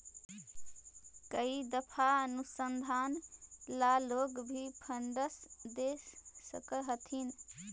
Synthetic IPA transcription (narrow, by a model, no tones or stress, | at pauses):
kəid̪əpʰaənusənd̪ʱaːnlaloɡbʱipʰəɳɖəsd̪esəkəɦət̪ʰin